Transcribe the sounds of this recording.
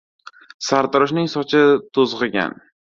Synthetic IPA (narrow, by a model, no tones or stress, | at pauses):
saɾt̪ɪɾɪʃnɪŋsɒt͡ʃʰɪt̪ʰozʁɨɡʲa̰n